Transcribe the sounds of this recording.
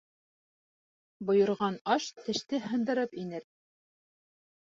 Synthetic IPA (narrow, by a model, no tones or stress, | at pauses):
bŏjɤ̆ɾʁɑnɑʃt̪ɘ̆ʃt̪ɘhɤ̆nd̪ɤ̆ɾɤpinɘɾ